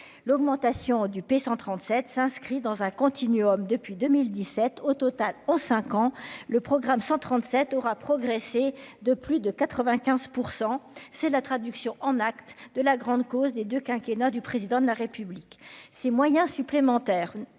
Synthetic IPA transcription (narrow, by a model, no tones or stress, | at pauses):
lɔɡmɑ̃t̪asjɔ̃d̪ypesɑ̃t̪χɑ̃t̪sɛt̪sɛ̃skχid̪ɑ̃zɛ̃kɔ̃t̪ʰinyɔmd̪əpɥid̪ømild̪isɛt̪ʰot̪ɔt̪alɑ̃sɛ̃kɑ̃ləpχɔɡʁamsɑ̃t̪χɑ̃t̪sɛt̪ɔʁapχɔɡʁesed̪əplyd̪əkat̪χəvɛ̃kʲɛ̃zpuʁsɑ̃sɛlat̪χad̪yksjɔ̃ʔɑ̃nakt̪d̪əlaɡʁɑ̃d̪kozd̪ed̪økʲɛ̃kʲenad̪ypχezid̪ɑ̃d̪əlaʁepybliksemwajɛ̃syplemɑ̃t̪ɛːʁ